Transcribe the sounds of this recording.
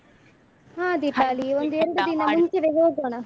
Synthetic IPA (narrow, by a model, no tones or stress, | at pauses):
ɦãːd̪iʈːaːliond̪ueɾuɽud̪inɐmuɲt͡ʃiʋeɦoːɡoːɳɐ